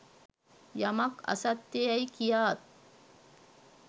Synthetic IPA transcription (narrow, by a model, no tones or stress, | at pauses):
jamakɐ̰sat̪ːejajkijaːt̪̚